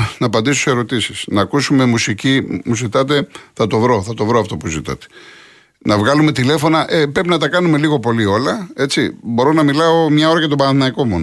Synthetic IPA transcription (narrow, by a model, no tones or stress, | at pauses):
nɐːpɐnd̪iso̥se̞ɾo̞t̪isisnɐːkusume̞musicimuzit̪ɐt̪e̞θɐt̪o̞vɾo̞θɐt̪o̞vɾoɐft̪o̞puzit̪ɐ̰t̪e̥ | nɐvɣɐlume̞t̪ile̞fo̞nɐʔepɾe̞pinɐt̪ɐkɐnume̞liɣo̞po̞lio̞lɐe̞t͡ssibo̞ɾo̞nɐmilɐo̞mɲɐo̞ɾɐcɐt̪o̞bɐnɐθinɐiko̞mon